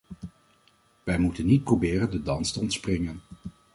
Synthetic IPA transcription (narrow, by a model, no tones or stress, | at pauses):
ʋɛjmutənːit̚prowbɪːrəndədɑnstəɔntsprɪŋən